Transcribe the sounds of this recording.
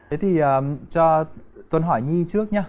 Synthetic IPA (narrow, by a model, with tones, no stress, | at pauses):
t̪ʰe˨˦t̪ʰi˨˩ʔəː˨˩t͡ɕɔ˧t̪wə˨˧˩nɦɔ˧˩jɲi˧t͡ɕɨ˦˥ək̚ɲaː˧